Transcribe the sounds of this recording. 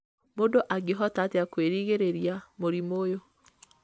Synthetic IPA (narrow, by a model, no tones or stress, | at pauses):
mondoʔaɡeɦɔtateakweɾiːɣeɾeɾjamoɾimojo